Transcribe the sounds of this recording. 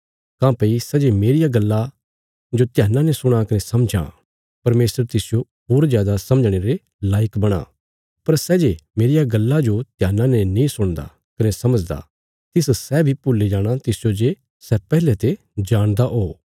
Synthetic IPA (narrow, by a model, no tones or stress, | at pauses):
kãːpeisɛːd͡ʒemeːɾɪjaɡɐlːa | d͡ʒot̪ɪjaːnːãnɛsʊɽ̃akɐnesɐmd͡ʒã̰ | pɐɾmeːsəɾt̪ɪsɪjo | oːɾzjaːd̪asɐməd͡ʒɽ̃eːɾe | laːɪkbɐɽ̃a̰ | pɐɾsɛːd͡ʒemeːɾɪjaɡɐlːad͡ʒot̪ɪjaːnːãnɛnĩsʊɽ̃d̪a̰ | kɐnesɐməd͡ʒd̪a̰ | t̪ɪssɛbʱipʊlːed͡ʒaːɽ̃at̪ɪsɪjod͡ʒe | sɛpɛːɦɪlet̪e | d͡ʒaːɽ̃d̪aʔɦoː